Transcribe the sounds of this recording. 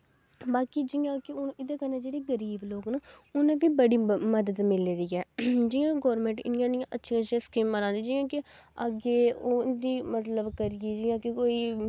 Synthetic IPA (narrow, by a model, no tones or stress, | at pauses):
baːkiːd͡ʒɪjãːkɪʊnɪd̪ẽːkəɾnãːd͡ʒeːɽeːɡəɾiːbloːknəːʊnãːʋiːbəɽiːməd̪əd̪mɪleɾiːɛːd͡ʒɪjãːɡɔːɾmẽːɳʈɪ̰nɪjãːnɪjãːʔətːʃʰiəʃʰiãskiːmməlãːnd̪iːd͡ʒijãːkɪ | əɡeːoːd̪iːmət̪ləbkəɾɪjeːd͡ʒɪːjãːkɪkoːiː